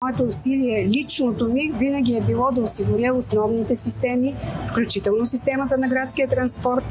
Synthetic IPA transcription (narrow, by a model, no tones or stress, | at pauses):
mɔɛt̪oːsiliɛlʲit͡ʃnot̪omivinɐɡʲiɛbilˠɔd̪ɐosiɡʊɾʲəosnɔvnit̪ɛsist̪ɛmi | fklʲut͡ʃit̪ɛlˠnosist̪ɛmət̪ənɐɡɾat̪skʲiət̪ɾɐnspɔɾt̪